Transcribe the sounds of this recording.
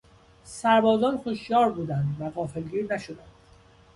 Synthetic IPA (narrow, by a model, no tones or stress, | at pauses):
sæɾbɒːzɒːnxoʃjɒːɾbuːd̪ænd̪væɣɒːfelɡiːɾnæʃod̪ænd̪̥